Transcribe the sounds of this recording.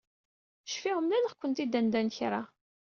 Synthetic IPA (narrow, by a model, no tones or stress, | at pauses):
ʃfiʁəmlænəχkʷːənt̪id̪ænd̪ænçɾˤa